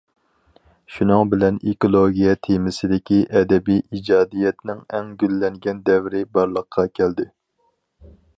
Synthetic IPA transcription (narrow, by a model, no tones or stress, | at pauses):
ʃunɨŋbɪlɛnekolˠoɡʲijɛt̪ʰemɪsɪd̪ɪkʲiʔɛd̪ɛbijʔid͡ʒɑːd̪ijɛt̪nɪŋɛŋɡʲylːɛŋɡʲɛnd̪ɛvɾɪbɑɾlˠəqʰːɑkʲʰɛld̪ɪ